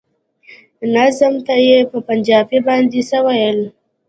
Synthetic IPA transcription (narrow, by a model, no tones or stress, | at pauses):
nazəmt̪ajepəpand͡ʒɑbibɑnd̪isəwajəl